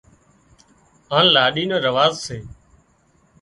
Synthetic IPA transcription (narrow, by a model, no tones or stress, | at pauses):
ãːlaːɗiːnə̃ːɾəʋaːzseː